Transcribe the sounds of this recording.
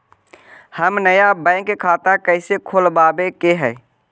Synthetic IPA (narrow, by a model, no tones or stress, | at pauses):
həmnəjabɛ̃ːŋkkʰaːt̪akəɪsekʰolbaːbekeɦɛː